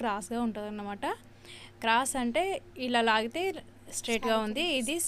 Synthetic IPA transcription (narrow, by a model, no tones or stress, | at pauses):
kɾaːsɡaːuɳʈud̪ɐnːɐmaːʈɐ | kɾaːsɐɳʈe̞ːilːaːlaːɡit̪e̞ː | sʈɾeːʈɡaːund̪iːd̪i